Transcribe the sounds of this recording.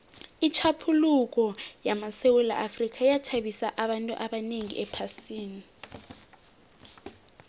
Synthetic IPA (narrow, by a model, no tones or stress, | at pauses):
it͡ʃʰapʰuluk̬ɔjamasɛwɛla̰ʔafrikʰajatʰaɓisaʔaɓantʼṵʔaɓaneŋḭʔɛpʰasiːni